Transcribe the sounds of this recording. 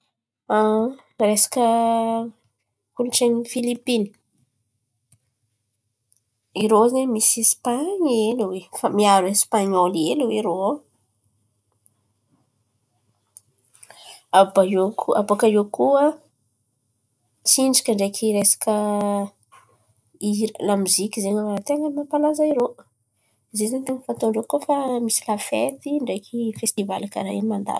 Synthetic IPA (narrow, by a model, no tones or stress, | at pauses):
a | resḁkə | kunʈ͡ʂeɲifilipini̥ | iɾozeɲmisispaɲeluwefamiaɾespaɲoleluweɾo | abaokʰua̰bokajokuə | t͡siɳɖ͡ʐakʲəɳɖ͡ʐekʰiɾesḁkə | iɾəlamuzikʲizeɲawaɾat̪eŋəmapalazaiɾo | zezant̪eŋəfant̪oɳɖ͡ʐokuəfamisilafet̪iɳɖ͡ʐekʰifest̪iva̰laka̰ɾa̰jamand̪a̰l